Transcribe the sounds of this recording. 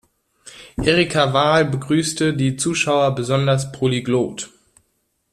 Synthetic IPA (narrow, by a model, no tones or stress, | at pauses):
ʔeʁikʰavaːlbəɡʁyːstədiːt͡suːʃaʊɐbəzɔndɐspʁ̥oliɡloːt